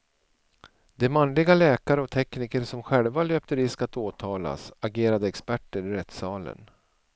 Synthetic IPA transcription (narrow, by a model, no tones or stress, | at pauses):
d̪ɛmanlɪɡalɛːkaɾəɔt̪ʰɛkniːkəɾsɔmɧɛlvaløːp̚t̪əɾɪskat̪oːt̪ʰɑːla̰saɡeːɾad̪əɛkspæʈːəɾɪɾɛt̪sɑːlə̰n